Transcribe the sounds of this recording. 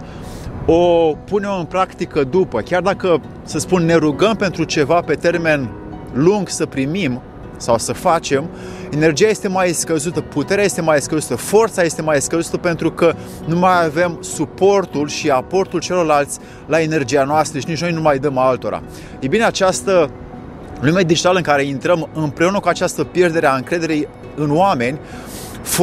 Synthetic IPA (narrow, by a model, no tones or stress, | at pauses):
o̞pune̞mɨnpɾakt̪ikəd̪upəkʲard̪akə | səspunːe̞ɾuɡəmpe̞nt̪ɾut͡ʃe̞vape̞t̪e̞rme̞n | luŋɡsəpɾimim | sawsəfat͡ʃe̞m | ene̞rd͡ʒijaje̞st̪emajskəzut̪əput̪e̞ɾeaje̞st̪e̞majskəzut̪əfo̞rt̪saje̞st̪e̞majskəzut̪əpe̞nt̪ɾukə | numajave̞msupo̞rt̪ulʃiapo̞rt̪ult͡ʃe̞lo̞rlalt̪sʲ | lae̞ne̞rd͡ʒijanoast̪ɾəʃinit͡ʃno̞jnumajd̪əmalt̪o̞ɾa̰ | jejbine̞at͡ʃast̪ə | lume̞d̪id͡ʒit̪aləɨŋkaɾe̞int̪ɾəmɨmpɾeunəkuat͡ʃast̪əpje̞rd̪e̞ɾeaɨŋkɾe̞d̪e̞ɾej | ɨnoame̞nʲ | f